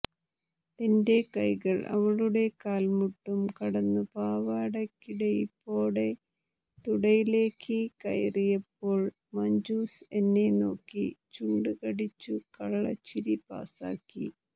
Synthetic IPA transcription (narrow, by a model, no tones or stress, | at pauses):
ende̞kɐjɣɐɭʔɐ̰ʋɐɻuɽe̞kaːlmuʈːumkɐɽɐnːɨpaːʋaːɽɐkːiɽe̞ipːo̞ːɽe̞ | t̪uɽɐjile̞ːkːikɐ̰jrijɐpːo̞ːɭ | mɐɲd͡ʑuːsenːe̞no̞ːkːit͡ɕuːɳɖɨɣɐɽit͡ɕːukɐɽɐɭɐ̰t͡ɕːiɾipa̰ːsa̰ːkːḭ